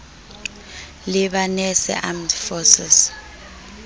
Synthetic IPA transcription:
lɪɓanɛsɛ̰ʔamdfɔsɛs

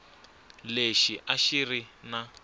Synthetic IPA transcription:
leʃiʔaʃirina

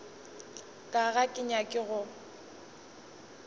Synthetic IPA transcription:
kʼaɣakʼɪɲakʼɪɣʊ

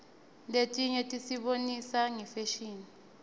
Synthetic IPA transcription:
letʼiɲɛtʼisiɓonisaŋɛfeʃiːni

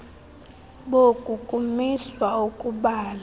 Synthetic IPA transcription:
ɓokʼukʼumiswaukʼuɓaːla

